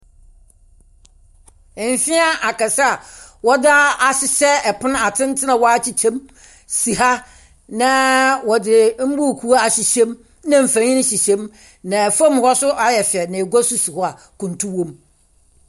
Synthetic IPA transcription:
m̩˨fɪ̃˦a˦ʔa˨kʰa˨sa˦a˨wɔ˦da˦a˨ɕɪ˨sɛ˦ɛ˨pʰʊ̃˦n˦a˨tʰɪ̃˦n˦tʰɪ˦nã˨wɔ˦a˦t͡ɕʰi˦t͡ɕʰɛ̃˦m | si˨ɦa˦ | nã˦wɔ˨dɪ˨m̩˦bu˦˨kʰu˦a˦a˨ɕi˨ɕɛ̃˦m | nã˦m̩˨fã˨ɲɪ̃˦n̩˦ɕi˨ɕɛ̃˦m | nã˨fã˦m˦hɔ˦sʊ˦ʔa˦jɛ˨fɛ˨nã˨e˨ɡa˦sʊ˦si˨hɔ˦a˨ | kʰũ˨n˨tʰũ˦wõ˦m

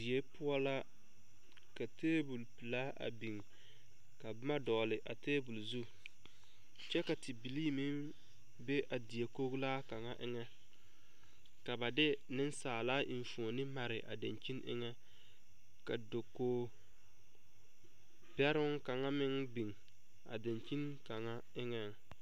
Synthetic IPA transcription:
di˨je˦pʊ˦ɔ˦la˦ | ka˨teː˦bu˨lpɨ˨la˦ʔa̰˨bi˨ŋ | ka˨bma˦dɔ˨lɪ˨ʔa˨teː˦bu˨lzu˦ | t͡ʃɛ˦ka˨tɪ˨bi˨liː˦mɪ˦ŋ | be˦ʔa˨di˨e˨ko˦ɡlaː˦ka˨ŋa˦ʔɪ˦ŋɛ˦ | ka˨ba˨dɪ˦ | nɪ˦n˦saː˨laː˦ʔi˨ɱ˨fu˨o˨nɪ˦ma˨ɾɪ˨ʔa̰˨da̰˨nt͡ʃi˦nʔɪ̰˦ŋɛ˦ | ka˨do˨koː˦ | pɛ˦ɾʊ˦ŋka˨ŋa˦mɪ˦ŋbi˨ŋ | a̰˨da˨nt͡ʃi˦n | ka˨ŋa˦ | ɪ˦ŋɛ˨ŋ

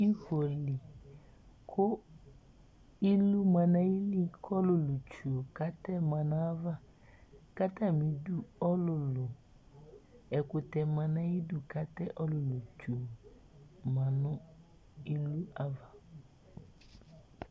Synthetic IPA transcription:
i˦xo˨li˨ | kʰʊ˦ | i˦lu˦mã˨nã˦ji˦li˦kɔ˦lʊ˨lʊ˨t͡ʃu˨o˨ka˦tɛ˦mã˨nã˦a˦va˦ | ka˦ta˦˨mĩ˨du˦ɔ˦lʊ˨lʊ˨ | ɛ˨kʊ˨tɛ˨mã˨nã˦ji˦du˨ka˦tɛ˦ʔɔ˦lʊ˨lu˨t͡ʃu˨o˨ | mã˨nʊ̃˦ | i˦lu˦a˦va˨

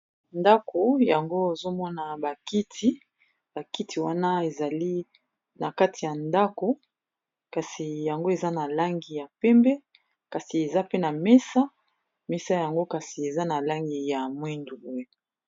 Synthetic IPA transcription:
nda˦kʰo˨ja˨ŋɡo˦e˨zo˦mɔ˦na˨ba˨ki˦tʰi˦ | b̥a˨ki˦tʰi˨wa˦na˦e˨za˨li˦ | na˨ka˦ti˨ja˨nda˦ko˨ | ka˨si˨ja˨ŋɡo˦e˨za˦na˨la˦ŋɡi˨ja˨pɛ˦mbɛ˦ | ka˨si˨e˨za˦pe˦na˨mɛ˦sa˦ | mɛ˦sa˦ja˨ŋɡo˦ka˨si˨e˨za˦na˨la˦ŋɡi˨ja˨mwi˦ndu˨bwe˦

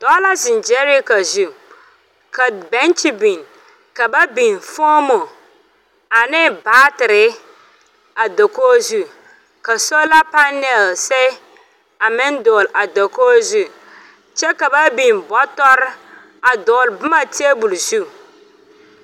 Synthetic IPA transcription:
d̥ɔ˦la˦zɪ˨nd͡ʒɛ˦ɾi˦ka˨zu˨ | ka˨bɛ̃˦nt͡ʃi˦bĩ˨n | ka˨ba˦bĩ˨nfɔ˦mo˨ | a˨nɪ˦baː˨˦tɪ˨ɾɪ˨ | a˨dɔ˨ko˦zu˦ | ka˨so˦la˦pa˦nɛ˨lsɛ˦ | a˨mɪ̃˦n˦dʊ˨la˨do˨ko˦zu˦ | t͡ʃɛ˦ka˨ba˦bĩ˨nbɔ˦tɔ˦ɾ | a˨dʊ˨lbɪ˦mã˨tʰi˦e˦bu˨lsu˦

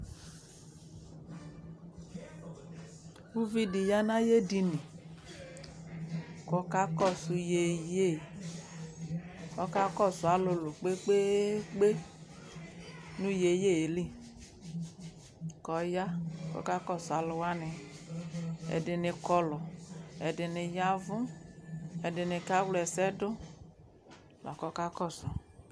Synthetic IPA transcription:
u˦vi˦di˨ja˦nã˦je˦di˧ni˨ | kɔ˨ka˦kɔ˦˨su˨je˨je˦˨ | kɔ˦ka˦kɔ˦˨sʊ˨a˨˦lʊ˧lʊ˨k͡pe˦k͡pe˦k͡pe˦ | nu˦je˨je˦˨e˨li˦˨ | kɔ˨ja˦kɔ̰˦ka˦kɔ˦˨sʊ˨a˨˦lʊ˨˧wa˦nɪ˧ | ɛ̰˨dɪ˨nɪ˨kɔ˧lɔ˨ɛ˨dɪ˨nɪ˨ja˦vʊ˦ | ɛ˨dɪ˨nɪ˨ka˦wlɛ˨sɛ˦dʊ˦˨ | lɔ̰˨kɔ˦ka˦kɔ˦˨sɔ˨

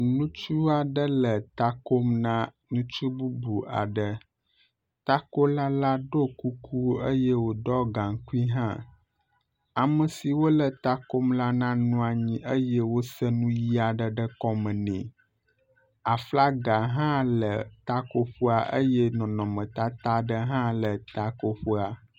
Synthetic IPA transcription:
nũ˦t͡ʃu˦a˨ɖə˦lə˨t̪a˦ko˦mnã˦ | nũ˦t͡ʃu˦bu˦bu˨a̰˨ɖə˦ | t̪a˦ko˦la˦la˦ɖo˦ku˦ku˦ə˦jɛ˦wo˨ɖɔ˦ɡã˨ŋ˨ku˦i˦ɦã˦ | a˨mə˨si˨wo˦lə˨t̪a˦ko˦mla˦nã˦nũ˦a˨ɲĩ˦ʔə˦jɛ˦wo˦sə˦nũ˦ji˦a˨ɖə˨ɖə˦kɔ˦mə̃˨nɛ̰̃˨ | a˨fla˦ɡa˨ɦã˦lə˨t̪a˦ko˦ɸu˦a˨ʔə˦jɛ˦nɔ̃˨nɔ̃˨mə̃˨t̪a˦t̪a˦ɖə˦ɦã˦lə˨t̪a˦ko˦ɸu˦a˨

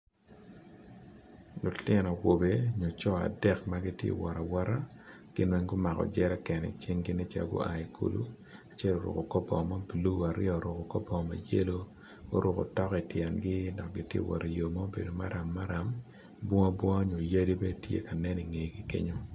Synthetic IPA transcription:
lʊ˨tjɛ˦nɔ˨wo˨be˨ɲo˨t͡ʃɔ˦a̰˨dɛ˦kma˦ɡi˦tjḛ˦˨wɔ˨ɾa˨wɔ˦ɾa˦ | ɡ̥ɪ˦nwɛ˦ŋɡʊ˦ma˨kɔ̰˨d͡ʒɛ˦ɾɛ˦kɛ˨nɛ̰˨t͡ʃi˦ŋɡɪ˦nɛ˦t͡ʃa̰˨ɡo̰˦a˨i˨kʰṵ˦lṵ˦ | a˨t͡ʃɛ˦lo˨ɾʊ̰˨ko˨kɔ˦pɔ̰˨ma˦blu˦a˨ɾɪ̰ɔ˨ɾʊ˨ko˨kɔ˦pɔ˨ma̰˨je˦lo˦ | ɡo̰˦ɾʊ˨ko̰˨tɔ˦ki˨tjɛ˨nɡɪ˦nɔ˨k̚ɡɪ˨tjḛ˦˨wɔ̰˨ɾa˨jo˨mɔ˦bḛ˨do˨ma˦ɾa˨mːa˦ɾa˨m | bɔ˦a˦bwɔ˦a˦ɲo˨ja˦di˦bɛ˦tjḛ˦ka˨nɛ˦ni˨ŋe˨˦ki˦kḛ˦ɲo˦

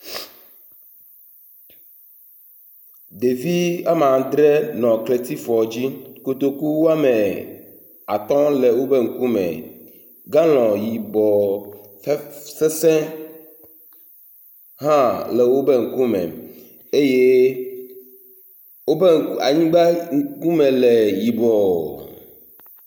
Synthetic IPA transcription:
d̪e˨vi˦a˦mã˨d̪ɾɛ˦nɔ̃˨kle˨t̪i˦fɔ˨d͡ʑi˦ko˨t̪o˦ku˦wo˦a˦me˨ | a˨t̪ɔ̃˦le˨wo˦be˦ŋ̩˨ku˦mɛ̰̃˨ | ɡã˦l̃ɔ̃˨ji˨bɔ˨ | fsɛ˦sɛ̃˦ | ɦã˦le˨wo˦be˦ŋ̩˨ku˦mɛ̰̃˨ | e˦je˦ | wo˦be˦ŋ˨ka̰˨ɲĩ˦ɡ͡ba˦ŋ̩˦ku˦mẽ˨le˨ji˨bɔ˨o̰˨

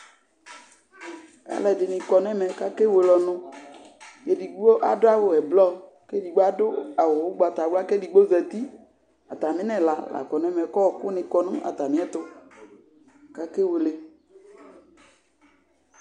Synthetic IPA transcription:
ɛ̰˦lɛ˨ɖɪ˨nɪ̃˨kɔ˨n˦ɛ̃˦mɛ̃˨ka˦ke˦wo˨lɔ˨nʊ̃˦ | je˨di˨ɡ͡bo˦ʔa˨dʊ˦a˦wo˨ɛ˨blɔ˦ | ke˦di˨ɡ͡bo˦a˦dʊ˦a˨wo˨wo˦ɡ͡ba˨t̪a˨wla˦ke˦di˨ɡ͡bo˦zɛ˨t̪i˦ | a˨t̪a˨mĩ˦nɛ̃˨la˨la̰˨kɔ˨n˦ɛ˦mɛ˨kɔ˦wkʊ˦nĩ˨kɔ˨nʊ̃˦a̰˨t̪a˨mĩ˦ɛ˦t̪ʊ˦ | ka˦ke˦wo˨le˨

